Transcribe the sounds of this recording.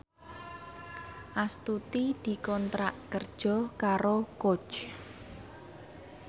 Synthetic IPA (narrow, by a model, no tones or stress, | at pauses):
ʔast̪ut̪id̪̥i̤kɔnt̪ɾaʔkərd̥ʒ̥ɔ̤kaɾoko̥t͡ʃ